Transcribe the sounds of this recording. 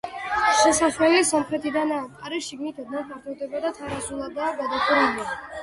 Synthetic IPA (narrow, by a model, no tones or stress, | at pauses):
ʃɛsaswɛliasɔmχɾɛt̪ʰid̪anaːt̪ʼqʼaɾɛʃiɡnit̪ʰad̪nanpʰaɾt̪ʰɔvd̪ɛbad̪at̪ʰaɾazulˠad̪aːɡad̪akʰuɾania